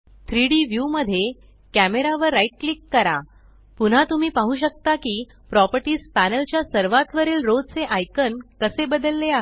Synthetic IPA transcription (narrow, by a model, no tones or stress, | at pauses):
t̪ʰɾiɽiʋjuməd̪ʱːje | kæmeɾaʋəɾːaiʈ̚klikːəɾa̰ | pun̤at̪um̤iːpaɦũːɕ̬ək̚t̪akiː | pɾɔpəɾʈiːspænəlt͡ɕjasəɾʋat̪ʋəɾiːlɾod͡zt͡seʔajkənkəsebəd̪əlːeaɦ